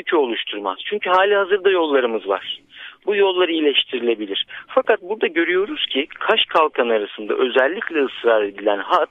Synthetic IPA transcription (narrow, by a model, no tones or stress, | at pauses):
cʰyo̞lˠuʃt̪ʰuɾma̰z̥t͡ʃʰyɲcʰyɦaːlʲihazɯɾd̪ajo̞lˠːaɾɯmɯzva̰ɾ̥bujo̞lˠːaɾɯilʲɛʃt̪ʰiɾilʲe̞bilʲiɾ̥fakat̪̚buɾd̪aɟø̞ɾyjo̞ɾuz̥cʰikʰaʃkʰalˠkʰanaɾasɯnd̪a̰ʔø̞zɛlʲːiclʲɛɯsɾaːɾed̪ilʲænha